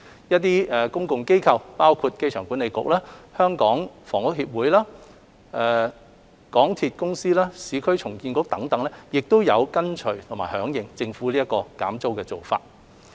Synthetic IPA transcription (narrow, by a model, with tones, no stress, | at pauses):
jɐ˥t̪̚iː˥ɛ˨kʊ˥ŋkʊ˨ŋke˥jkʰɐ˧wpaː˥wkʰuː˧t̚ke˥jt͡ʃʰœː˨˩ŋku˨˥nːe˨˧jkʊ̰˨k̚laː˥hœː˥ŋkɔː˨˥ŋfɔː˨˩ŋkʊ˨˥k̚hiː˧p̚wuː˨˥jlaː˥ | ʔɛ˧ | kɔː˨˥ŋt̪ʰiː˧t̚kʊ˥ŋsiː˥laː˥siː˨˧kʰɵ˥ɥt͡sʰʊ˨˩ŋkiː˧nkʊ˧˥k̚t̪ɐ˨˧˥ŋt̪ɐ˨˥ŋlɛ˥jɪ˨k̚t̪o˥wjɐ˨˧wkɐ˥nt͡ʃʰɵ˨˩ɥt̪ʰʊ˨˩ŋmaː˨˩hœː˨˥ŋjɪ˨ŋt͡sɪ˧ŋfuː˨˥liː˥jɐ˥tkɔː˧ka̰ː˨˥mt͡so˥wkɛː˧t͡so˨wfa̰ː˧t̚